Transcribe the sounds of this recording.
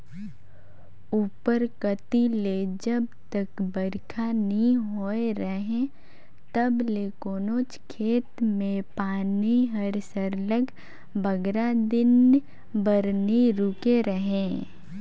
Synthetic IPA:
uːpəɾkət̪iled͡ʒəbt̪əkbəɾkʰanĩɦoeɾəɦẽ | t̪ɐblekoːnoːt͡ʃkʰeːt̪mẽpaːniɦɐɾsəɾləɡ | bɐɡɾad̪ɪn | bəɾniɾʊkeɾəɦẽ

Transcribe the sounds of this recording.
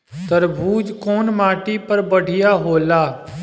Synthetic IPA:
t̪əɾbʱuːd͡ʒkoːnmaːʈiːpəɾbəɽ̤ʱɪjaːɦoːlaː

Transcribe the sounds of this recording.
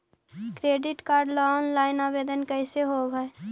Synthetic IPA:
kɾeːɖɪʈkaːɾɖlɔnlaːɪnaːbeːd̪ənkəɪseɦobɛe

